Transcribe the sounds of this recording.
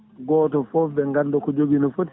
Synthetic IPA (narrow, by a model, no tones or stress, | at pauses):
ɡɔːtɔfɔfbɛŋɡandɔkɔd͡ʒoɡinɔfoti̥